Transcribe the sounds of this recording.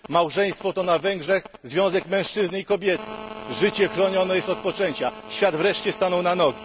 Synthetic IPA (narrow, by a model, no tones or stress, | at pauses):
mawʐɛj̃st̪fɔt̪ɔnavɛŋɡʐɛx | zvʲjɔ̃w̃zɛkmɛ̃w̃ʂt͡ʂɘznɘikɔbʲjɛt̪ɘʐɘt͡ɕɛxɾɔɲɔnɛjɛst̪ɔt̪̚pɔt͡ʂɛɲt͡ɕa | ɕfʲjad̪vɾɛʂt͡ɕɛst̪anɔwnanɔɡʲi